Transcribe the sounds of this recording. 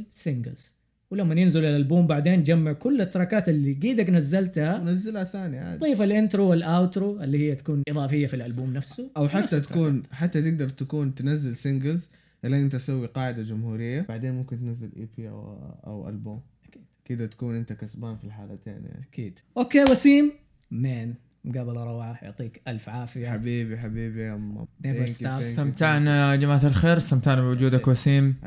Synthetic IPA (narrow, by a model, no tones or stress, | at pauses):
sɪŋɡɪ̰lz̥ | wɪlamːanjɪnzɪlɪlʔalbuːmbaʕd̪eːnd͡ʒamːɪʕkʊlːat̪ːɑɾˤɑkaːt̪ɪlːiɡiːd̪aknazːalt̪hanazːɪlhaθaːnia̰ˤiːfalʔɪnt̪ɾoːwɪlʔawt̪ɾoʔɪlːiːhɪjːat̪ḁkuːnʔɨðˤɑːfɪjːafilʔalbuːmnafsʊʔawħaːat̪ḁkuːnħat̪ːat̪ɪɡ̚d̪ɑɾˤt̪akuːnt̪nazːɪlsɪŋɡɪlz | ʔɪlːaʔɪnt̪asawːiqɑːʕɪd̪ad͡ʒʊmhuːɾɪjːab̥aʕd̪eːnmʊmkɪnt̪nazːɪlʔḭːpiʔa̰a̰wʔa̰lbuːm | akiːd̥̪kɪd̪at̪ḁkuːnʔɪnt̪akasbaːnfilħaːlat̪ḛːna̰kiːd̪̥ʔoːkeːwasiːm | meːn | mɡaːbɪlɑɾˤɑwʕajʊ̰ʕt̪ˤiːkʔalfʕaːfiħabiːbiħabiːbiʔama̰eaamt̪aʕnad͡ʒamaːt̪alxeːɾsamt̪aʕnabɪwʊd͡ʒuːd̪akwasiːm